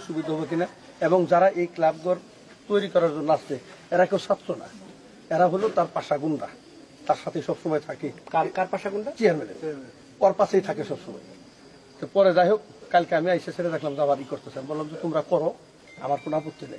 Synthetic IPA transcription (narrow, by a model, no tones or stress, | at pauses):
ʃubid̪ʱɦɔbok̬ina | eboŋd͡ʑaɾaʔejklabɡoɾ | t̪ojɾikɔɾaɾd͡ʑonːoasteɛɾakewsat̪ːɾona̰ | ɛɾaɦolot̪aɾpaʃaɡunɖa | t̪aɾʃat̪ʰejʃɔbʃɔmɔjt̪ʰakekaɾkaɾpaʃaɡuɳɖat͡ɕiaɾmenḛ | pɔɾpasejt̪ʰakeʃɔbʃɔmɔ̰j | t̪epɔɾed͡ʑajɦokkalkeamiajʃesʰeɾed̪ɛkʰlamd͡ʑabaɾikoɾt̪esʰanbolːamd͡ʑet̪omɾakɔɾo | a̰maɾkonoapot̪ːinɛ̰j